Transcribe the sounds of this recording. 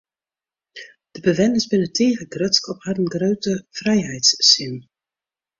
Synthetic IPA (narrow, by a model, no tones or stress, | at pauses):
d̥əbəʋɛnɪzbɪnətʰeːɣəɡrøtskɔphatənɡrøɥtəfrɛjɦɛjtsːɪn